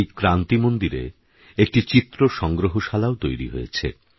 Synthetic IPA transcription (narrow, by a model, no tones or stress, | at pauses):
jkɾant̪imond̪iɾḛ | ek̚ʈit͡ɕit̪ːɾoʃɔŋɡɾoɦoʃalaot̪ojɾḭɦo̰jḛt͡ɕʰḛ